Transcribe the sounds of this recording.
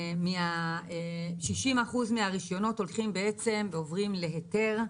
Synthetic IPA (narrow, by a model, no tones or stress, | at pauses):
mia | ʃiʃimaχuzmiaʁiʃjo̞no̞to̞lχimbee̞t͡se̞mveovʁimle̞ɦete̞ʁ